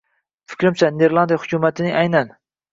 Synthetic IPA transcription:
fɪ̥kʲɾɪmt͡ʃʰaneɾlˠand̪ijahʊ̥kʲʰumat̪ʰɪnɪŋʔajnan

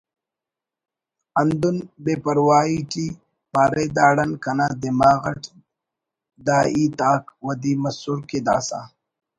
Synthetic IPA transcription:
ɐnd̪unbeːpɐɾwaːiʈi | paːɾed̪aːɽɐnkɐnad̪emaːɣɐʈ | d̪aːʔiːt̪aːkwɐd̪iːmɐsuɾked̪a̰ːsa̰ː

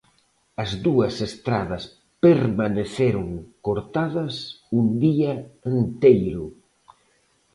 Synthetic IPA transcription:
ɐzðuɐsest̪ɾaðɐs | peɾmaneθeɾʊŋkoɾt̪aðɐsund̪iɐent̪ejɾʊ

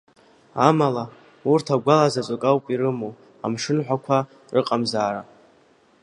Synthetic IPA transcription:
amala | urtʰaɡʷalazat͡ʃʷʼakʼawpʼiɾɨmo | a̰mʂɨnħʷᶣakʷʰa | rʔɨqʼamzaːɾa

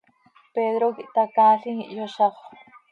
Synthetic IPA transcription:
ped̪ɾokiʔt̪akaːɬiŋiʔjoʃɑχʷ

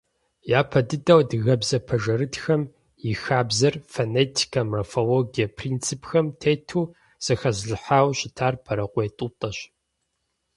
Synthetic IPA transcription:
jaːpʰɐdɨdɐwdɨɣɐbzɐpʰɐʒɐɾɨtxɐm | jɪxaːbzɐrfɐneːtʰi̥kʰɐmefoloːɡijɐpʰriːnt͡sʰɨpʰxɐmtʰeːtʰuː | z̥ɐxɐzɮɨħaːwɕɪtʰaːrpʰɐɾɐqʷeːtʼuːtʼɐɕ

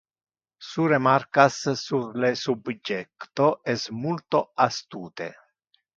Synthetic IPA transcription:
suɾemarkassurlesubd͡ʒɛkt̪oɛsmult̪oast̪uːt̪ḛ

